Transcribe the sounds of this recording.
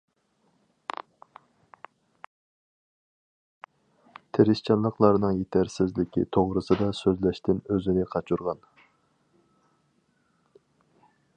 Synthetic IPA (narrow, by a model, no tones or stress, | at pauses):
t̪ʰeɾɪst͡ʃʰɑnlˠəqlˠɑɾnɨŋjet̪ʰæɾsɪzlɪkʲḭt̪ʰoʁɾɨsɨd̪ɑsøzlɛʃt̪ɪnøzɪnɪqʰɑt͡ʃʰuɾʁɑn